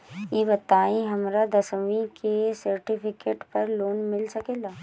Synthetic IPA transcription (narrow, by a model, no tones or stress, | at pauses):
jiːbɐt̪aːĩɦɐmɾad̪ɐsəʋĩkesɐɾʈipʰɪkeːʈpɐɾloːnmɪlsɐkeːlaː